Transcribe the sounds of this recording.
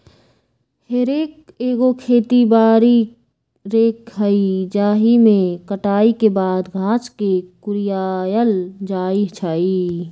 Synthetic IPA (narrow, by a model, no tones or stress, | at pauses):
heɾeːkeːɡokʰeːt̪ibaːɾi | ɾeːkɦəid͡ʒaːɦimẽkəʈaːikebaːd̪ɡʱãːt͡ʃkekʊɾɪjaːjəld͡ʒaːiɦt͡ʃʰaːi